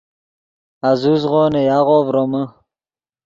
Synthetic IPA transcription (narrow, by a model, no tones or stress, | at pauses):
azuzʁoːnejaʁoːvɾomə